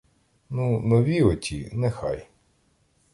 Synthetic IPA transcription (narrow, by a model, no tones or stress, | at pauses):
nunɔʋʲiɔtʲḭnɛxɑ̰j